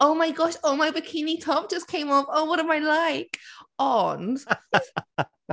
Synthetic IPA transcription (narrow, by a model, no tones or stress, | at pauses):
oʊmaɪɡɒʃoʊmaɪbɨkʰɪnitʰɔp̚d̥ʒ̥ʌskʰẽɪ̃mɔfoʊwʌɾə̃maɪlaɪkɔn